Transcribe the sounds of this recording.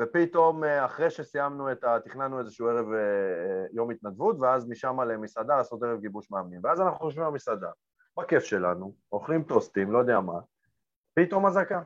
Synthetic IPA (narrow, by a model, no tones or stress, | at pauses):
vepit̪o̞meaχʁeʃe̞sijamnue̞t̪at̪iχnanue̞zeʃuueʁe̞vejo̞mit̪nadvut̪veazmiʃamale̞misad̪alaːso̞t̪e̞ʁevɡibuʃmaːmnimveazanaχnuχoʃ̬vimamisad̪a̰ | bake̞fʃe̞la̰nu | o̞χlimt̪ost̪imlo̞jod̪ejama | pit̪o̞mazaka